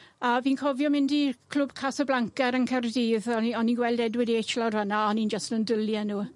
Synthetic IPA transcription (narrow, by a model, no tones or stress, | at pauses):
aviːnkʰɔvjɔmɪndikʰl̥ʊb̥kʰasəblˠaŋkɛɾənkʰərdiːðɔiɔniɡwɛlˠdɛdwɪdietʰlˠadvanaɔnind͡ʒəstnəndəlˠjanuː